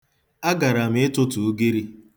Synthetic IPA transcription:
a˦ɡa˨ɾa˨m̩˦ɪ˦tʊ˦tu˨u˦ɡe˦ɾi˦

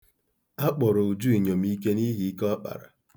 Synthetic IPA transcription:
a˦k͡pɔ˨ɾo˨u˨d͡ʒu˦i˨ɲo˨m̩i˦k̬e˦ni˦ɦi˨˦kɔ˦k͡pa̰˨ɾa̰˨

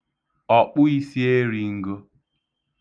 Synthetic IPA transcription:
ɔ˨k͡pʊ˦i˦si˦e˦ɾi˨ŋ̩˦ɡo˦

